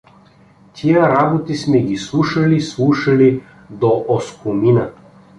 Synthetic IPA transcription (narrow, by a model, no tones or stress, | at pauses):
t̪ʲʰijəɾabot̪ismɛɡislˠuʃalislˠuʃali | d̪ɔʔɔskumina